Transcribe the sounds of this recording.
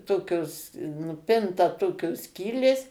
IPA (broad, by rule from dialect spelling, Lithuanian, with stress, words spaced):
ˈtoːkʲoːs nʊˈpʲɪntɐ ˈtoːkʲoːs ˈsʲkʲiːlʲeːs